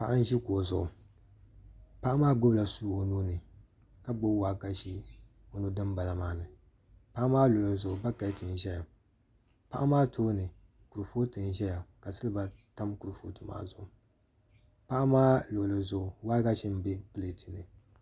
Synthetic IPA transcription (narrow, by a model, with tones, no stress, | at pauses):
pa˦˨ʔa˦n˦ʒi˦koː˨zʊ˨ʔʊ˨ | pa˦ʔa˦maː˦ɡ͡bʊ˦bla˨suː˦o˨nuː˦nɨ˨ | ka˦ɡ͡bo˦waː˦ɡa˦ʃi˦ | o˨nu˦dɨ˦mba˨la˨maː˨˦nɨ˨ | pa˦ʔa˦maː˦lo˨lɨ˨zʊ˨ʊ˨ba˦ka˨˦tɨ˨n˨ʒɛ˦ja˨ | pa˦ʔa˦maː˦tʰoː˦nɨ˨ | ku˨ɾɨ˨foː˦tɨ˨n˨ʒɛ˦ja˨ka˨sɨ˦lɨ˦ba˨ta˦mku˨ɾfo̰ː˦tɨ˨ma̰ː˦˨zʊ˨ʔʊ˨ | pa˦ʔa˦maː˦lo˨lɨ˨zʊ˨ʊ˨wa˦ɡa˦ʃi˦m˦be˦pɨ˦le˨ti˨nɨ˨